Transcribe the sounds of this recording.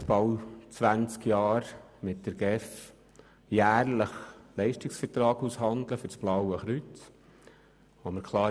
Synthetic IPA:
tb̥ɑwt͡sʋænt͡skjɑːɾmɪt̚d̥̪əɾɡ̥ɛf | jæːɾləχlɛɪʃtɪksfəɾtɾɑːɡushɑnd̪ləfʏɾt͡sb̥lɑwəχɾyt͡s | ʋoməɾkʰlɑː

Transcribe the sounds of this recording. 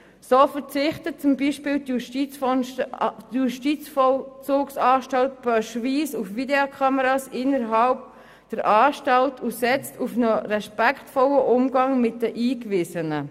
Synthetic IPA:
soːfəɾt͡sɪχtət̚t͡sʊmbiʃpɪːltjuʃti | juʃtit͡sfɔlt͡suːksɑːʃtɑlt̚b̥œʃviːsufʋideokʰɑməɾɑːsɪnəɾɦɑʊp̚ | d̥əɾʔɑːʃtɑltʰusɛt͡stufnəɾɛʃpækχtfɔləʔʊmɡɑŋmɪt̚dəʔiːkvɪzənə

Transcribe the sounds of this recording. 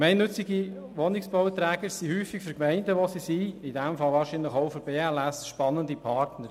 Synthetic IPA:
mɛɪnːɵt͡sɪɡi | ʋonɪksb̥ɔʊt̪ɾɛːɡəɾsihyːfɪkfyɾkmɛɪndəʋosisiidɛmfɑlvɑːɾʃinləχxoʊfyɾbeːɛlɛsʃpɑnəndipʰɑɾtnəɾ

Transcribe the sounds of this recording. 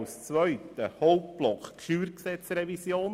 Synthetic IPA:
ʊst͡svœʏtəhɔlt̚b̥lɔkχkʃyːɾksɛt͡srɛvisjoːn

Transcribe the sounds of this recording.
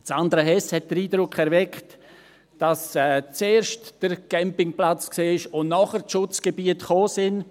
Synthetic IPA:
sandɾaɦɛshɛt̚d̥əɾiːdɾʊkχɛɾvɛkt | d̥ɑsɛːt͡seːɾʃtd̥əɾɡ̥ɛmpɪŋplat͡skseːɪʃʊnnɔχəɾʃʊt͡sɡ̥ebiətχoːsɪn

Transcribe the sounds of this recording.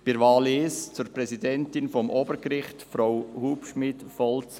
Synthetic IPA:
b̥ɪɾvɑːlist͡suɾpɾɛsidɛntɪnfɔmʔoːbəɾkɾɪχtfɾawhuːpʃmɪtfɔlt͡s

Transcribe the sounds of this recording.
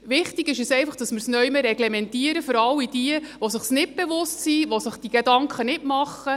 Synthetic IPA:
ʋɪχtiɡɪʃɛsɛjfɑχd̥ɑsmɪɾsnœjməɾɛɡlemɛntiəɾəfəɾɑlːid̥iəʋosəχsnɪt̚b̥eʋʊstsiːʋosəχd̥iɡ̥edɑŋkʰχənɪtmɑχːə

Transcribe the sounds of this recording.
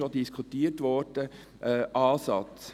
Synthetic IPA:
odiskʰutiːəɾtʋɔɾd̥ə | ʔːʔɑːsɑt͡s

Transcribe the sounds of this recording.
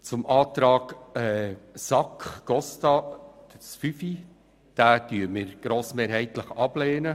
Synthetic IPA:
t͡sʊmʔɑːt̪ɾɑːɡ̥ɛsɑkχɡ̥ɔstɑ̥əsfyfi | d̥æːdyːmɪːɾɡ̥ɾoːsmeːɾɦɛɪt̪ləχɑb̥leːnə

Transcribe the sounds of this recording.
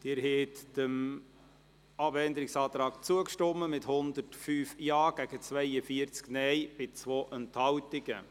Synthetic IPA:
d̥ɪːɾɦɛt̪d̥əm | ɑbɛnd̪əɾɪksɑːt̪ɾɑːkt͡suəkʃtɔmːəmɪthʊnd̪ərtfyːfjɑːɡ̥æɡ̥ət͡svɛjəfiəɾt͡sknɛjb̥ɪt͡sʋoːʔənthɑwtɪɡə

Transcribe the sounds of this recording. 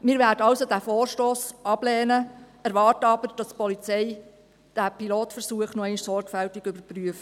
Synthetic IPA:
mɪːɾʋæːdəɑwsod̥æfoːrʃtoːsɑb̥lɛːnə | æɾʋɑːrtəɑbəɾd̥ɑspɔlit͡sɛɪ | d̥æːpiloːtfəɾsuəχnɔɛɪnʃsɔrɡ̥fæltɪɡʏbəɾpryəf

